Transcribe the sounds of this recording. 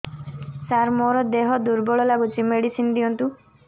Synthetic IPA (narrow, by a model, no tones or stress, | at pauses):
saɾmoɾɔd̪eɦɔd̪uɾbɔɭɔlaɡut͡ʃʰimeɽisind̪iɔnt̪u